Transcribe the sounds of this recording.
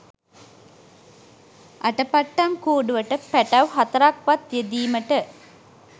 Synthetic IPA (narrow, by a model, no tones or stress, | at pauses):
ʔaʈəpaʈːamkuːɖuʋəʈəpæʈɐwɦat̪əɾakʋat̪jed̪iːməʈə